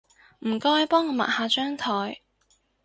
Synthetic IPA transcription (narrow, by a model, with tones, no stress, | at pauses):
m̩˨˩kɔː˥jpɔː˥ŋɔː˨˧ma̰˨˩haː˨˧t͡ʃœː˥ŋt̪ʰɔː˨˩j